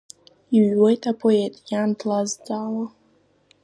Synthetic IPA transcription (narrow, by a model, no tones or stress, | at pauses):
iɥwɔjtʼapʰoetʼjandʰlazd͡zaːwa